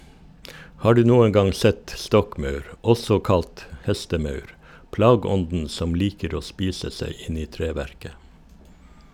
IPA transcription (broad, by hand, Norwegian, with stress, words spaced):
ˈhɑː ˈɖʉː ˈnuːən ˈɡɑŋ ˈsɛt ˈstɔkˌmɑʉɾ ˈɔsɔ ˈkɑlt ˈhɛstəˌmɑʉɾ ˈplɑːɡəˌɔndn̩ ˈsɔm ˈliːkəɾ ˈoː ˈspiːsə ˈseɪ ˈɪn ˈiː ˈtɾeːˌʋæɾkə